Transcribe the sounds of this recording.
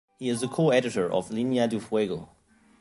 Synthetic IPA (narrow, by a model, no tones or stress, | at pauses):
hiɨzðəkʰoɛɾɨtə˞ʔɔ̰vlinjadufweɡo